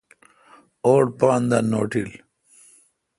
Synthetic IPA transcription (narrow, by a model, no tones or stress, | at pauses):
oːɖpaːnd̪ɐnoːʈil